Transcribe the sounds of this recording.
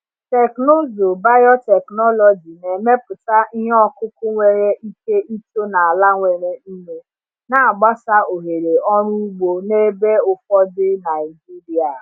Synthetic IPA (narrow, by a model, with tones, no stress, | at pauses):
te˨kno˦zo˨ba˦jɔ˦tɛ˨knɔ˦lɔ˨d͡ʒi˨ne˨me˦pʊ˨ta˦i˦ɦɔ˦kʊ˦kʊ˦ŋʷe˨ɾe˦ʔi˦ke˦i˦to˦na˨a˨la˦ŋʷe˨ɾe˨n̩˦me˦ | na˨a˨ɡ͡ba˦sa˦o˨ɦe˨ɾe˨ɔ˦ɾu˦u˦ɡ͡bo˨ne˦be˦ʊ˦fɔ˦dɪ˦na˨ɪ˨d͡ʒi˦ɾi˨a˨